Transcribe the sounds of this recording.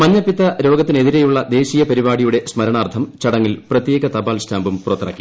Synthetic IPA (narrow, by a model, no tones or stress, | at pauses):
mɐɲːɐpːit̪ːɐɾo̞ːɡɐt̪ːine̞ðiɾejuɭːɐd̪e̞ːɕijɐpɐɾibaːɽijuɽe̞smɐɾɐɳaːrt̪ʰɐmt͡ɕɐɽɐŋːilprɐt̪je̞ːɡɐt̪ɐbaːlsʈʰaːmbumpurɐt̪ːɐrɐ̰kːi̥